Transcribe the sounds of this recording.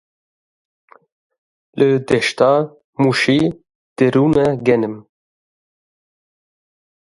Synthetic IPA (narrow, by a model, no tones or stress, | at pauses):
lʔɨd̪ɛʃt̪ɑ | muʃi | d̪̥eɾuːnɛɡɛnɨm